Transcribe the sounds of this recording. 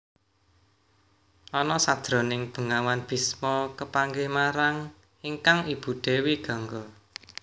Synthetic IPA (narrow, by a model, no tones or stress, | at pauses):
ʔɔnɔsad̪̥ɾo̤nɪŋb̥ə̤ŋawanb̥i̤smɔkəpaŋɡemaɾaŋ | iŋkaŋib̥ṳɖ̪̥e̤wiɡ̥ɔ̤ŋɡɔ